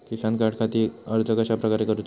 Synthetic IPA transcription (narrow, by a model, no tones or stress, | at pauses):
kisankaʈkʰat̪iːəɾt̪əkəɕapɾəkaɾekəɾut̪